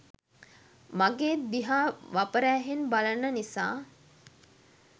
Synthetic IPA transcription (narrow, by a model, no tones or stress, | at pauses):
maɡeːd̪iɦaːʋapəɾæːɦenbalənːənisa̰ː